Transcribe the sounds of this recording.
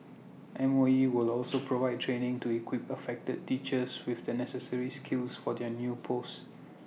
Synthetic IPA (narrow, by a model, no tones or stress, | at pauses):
ʔɛ̃mɔiwɪlɔlsopʰɹovaɪd̚tʰɹẽnɪ̃ŋtuikʰwɪpəfɛk̚təd̚tit͡ʃəswɪfdənɛsəsəɹiskʰɪlsfɔdɛnjupʰost